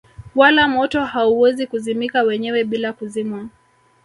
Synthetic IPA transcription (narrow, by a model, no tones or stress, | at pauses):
walamɔtɔhauwɛzikuzimikawɛɲɛwɛɓilakuzimwa